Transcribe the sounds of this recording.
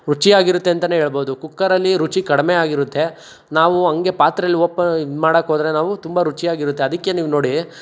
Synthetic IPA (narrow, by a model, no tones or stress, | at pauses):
ɾut͡ʃiaːɡiɾut̪ːeɐnt̪ɐneɦeːɭbo̞ːd̪ukukːɐɾɐlːiɾut͡ʃikɐɽɐmeaːɡiɾut̪ːe̞ | naːʋuɐŋɡe̞paːt̪ɾɐlːiɔpːɐmaːɽɐkɦoːd̪ɐɾe̞naːʋut̪umbɐɾut͡ʃijaːɡiɾut̪ːe̞ɐd̪ikːe̞niːʋuno̞ːɽi